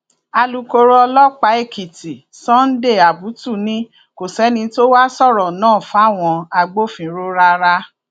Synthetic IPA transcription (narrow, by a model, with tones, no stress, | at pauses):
a˧lu˨ko˧ɾo˧˦ɔ˧lɔ˦k͡pa˨˦e˦˨ki˨ti˨ | sɔ̃˦n̩˦de˦˨a˨bu˨˦tu˦˨nĩ˦ | ko˨sɛ˨˦nĩ˧˦to˦wa˦sɔ˦˨ɾɔ˨nãː˦˨fa˨˦˨w̃ɔ̃˧a˧ɡ͡bo˦fĩ˨˦ɾo˦ɾa˦ɾa˦